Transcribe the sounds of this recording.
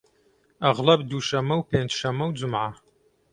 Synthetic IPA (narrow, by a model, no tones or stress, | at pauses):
aʁlɐbduːʃɐmɐwpʰeːntʃɐmɐwd͡zʊmʕa